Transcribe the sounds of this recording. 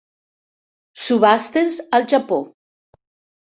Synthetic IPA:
suβast̪enzalˠʒapo

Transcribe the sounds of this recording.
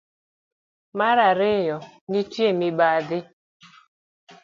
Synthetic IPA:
maɾaɾɪjɔnitiemibadɪ

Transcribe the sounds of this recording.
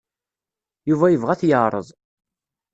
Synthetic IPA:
juvæjəvʁæθjəʕɾˤə̰ðˤ

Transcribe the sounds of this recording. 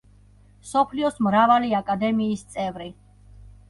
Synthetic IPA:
msɔpʰliɔsmɾavaliakʼad̪ɛmiːst̪sʼɛvɾi

